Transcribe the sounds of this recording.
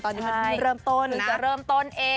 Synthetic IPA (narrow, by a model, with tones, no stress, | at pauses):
t̪ɔː˧nːiː˦˥a˧˥˩jɾɤː˧mt̪o˧˩nɯ˨˦ŋt͡ɕa˨˩ɾɤː˧˩mt̪o˧˥˩nʔeː˧